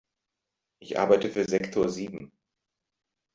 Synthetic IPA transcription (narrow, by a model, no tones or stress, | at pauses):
ʔɪçʔa̰ɐbaɪtəfyːɐzɛktʰoɐziːbm̩